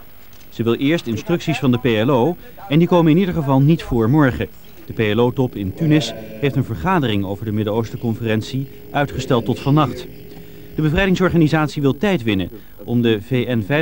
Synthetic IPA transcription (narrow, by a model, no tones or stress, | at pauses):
z̥əʋɪlˠʔɪːɹstɪnstrɵksisfɑndəpejɛlow | ɛndikowmənɪnidəɹχəvɑlˠnitfʊːɹmɔɹχə | d̥əpejɛlowtɔpɪntynɪsɦejftənvəɹχaːdərɪŋowvəɹdəmɪdəowstəkɔnfərɛnsi | ʔœɥtχəstɛlˠtɔtfɑnɑχt | d̥əbəvrɛjdɪŋsɔɹχaːnizaːtsiʋɪlˠtɛjtʋɪnə | ʔɔmdəvejɛnvɛ